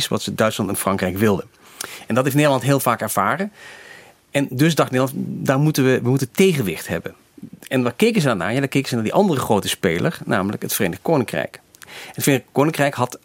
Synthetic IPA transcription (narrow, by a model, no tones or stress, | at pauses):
sʋɑ̰tsədœɥtslɑntɛnfrɑŋkrɛjkʋɪlˠdə | ɛndɑtɦeftnedəlɑntɦɪːlˠvaːkɛɹv̥aːrən | ɛndɵsdɑχtneːdəlɑntdaːɹmutəʋəʋəmutəntejχənʋɪχtɦɛ̰bən | ɛndaːkejkənzədaːna̰ːjaːdaːɹkejkənzənaːdiʔɑndərəχrowtəspejlʔəɹnaːmələ̰kətfəreːnəχkownɪŋkrɛ̰jk | ətfrenkownɪŋkrɛjkɦɑt